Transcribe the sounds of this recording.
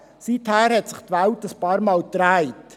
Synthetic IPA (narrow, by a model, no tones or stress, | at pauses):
sithæːɾhɛtsɪχtʋæwtəspɑːɾmɑːlt̪ɾæɪt